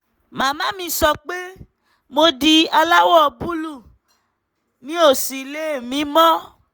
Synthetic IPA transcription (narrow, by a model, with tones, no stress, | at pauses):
mã˨mã˦mĩ˧˦sɔ˧k͡pe˦ | mo˧di˧a˧la˦wɔ˦˨bu˦lu˦˨ | nĩ˦o˦˨si˨le˦˨mĩ˨˦mɔ̃˦